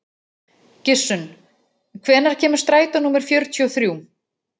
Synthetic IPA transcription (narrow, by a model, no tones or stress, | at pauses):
cɪ̥sːʏn | kʰvɛːnaɾ̥cʰɛːmʏ̥st̪ɾaːjt̪anuːmɛɾ̥fjœɾt̪ʰiɔθɾjuːw